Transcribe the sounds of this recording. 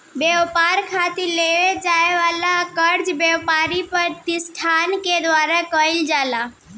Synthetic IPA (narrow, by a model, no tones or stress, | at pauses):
beʋpaɾkʰat̪iɾleʋed͡ʒajʋalakəɾd͡ʒbjewpaɾipəɾt̪isʈʰanked̪ʋaɾakəild͡ʒala